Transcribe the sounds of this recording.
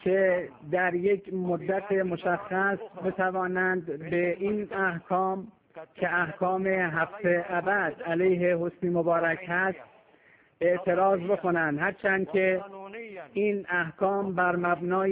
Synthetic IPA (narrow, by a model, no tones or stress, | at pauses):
kʰed̪æɾje̞kʰmod̪ːæt̪ʰemoʃæxːæsbe̞t̪ʰævɒːnænd̪beʔinæhkʰɒːm | kʰeæhkʰɒːmeɦæft̪eʔæbæd̪ælejɦeɦosniːmobɒːɾækhæst̪ | e̞ʔt̪ʰe̞ɾɒːzbe̞ko̞nænd̪hæɾt͡ʃʰænd̪̚kʰe | iːnæhkʰɒːmbæɾmæbnɒː